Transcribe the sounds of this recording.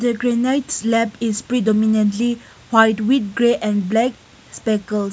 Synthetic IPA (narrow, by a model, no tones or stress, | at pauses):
dəɡɹenajtslɛpispɹidɔminə̃ntli | wajtwit̚ɡɹeʔɛ̃nblɛk̚ | spɛkəls